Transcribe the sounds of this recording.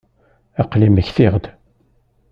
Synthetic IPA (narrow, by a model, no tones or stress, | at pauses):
æqliməçθɪʁd̪